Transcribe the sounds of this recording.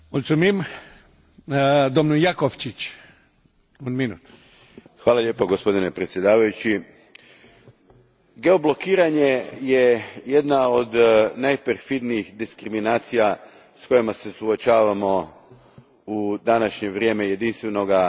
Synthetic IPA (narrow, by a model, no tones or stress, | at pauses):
olʲt̪sumim | d̪omnujakoʋt͡ʃit͡ʃ | unminṵːt̪ | xʋaːlˠaʎʲe̞ːpoɡo̞spo̞d̪ine̞pɾet̪sje̞d̪aːʋajut͡ɕi | ɡe̞o̞blo̞kiːɾaɲe̞jejed̪naod̪najpeɾfid̪niixd̪iskɾiminaːt̪sija | sko̞jimase̞suot͡ʃaːʋamo̞ | ud̪anaʃɲe̞ʋɾʲje̞ːmeje̞d̪inst̪ʋe̞noɡa